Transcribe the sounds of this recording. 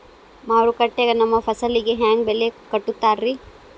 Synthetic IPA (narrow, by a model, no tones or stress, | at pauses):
maːɾukɐʈːeɡɐnɐmːɐpʰɐsɐlːiɡeɦaːŋɡ̚belekɐʈːut̪ːaːɾːi